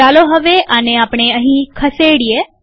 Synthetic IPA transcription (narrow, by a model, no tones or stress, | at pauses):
aːloɦəʋeʔəneaːpɳ̃eəɦĩkʰəseɽie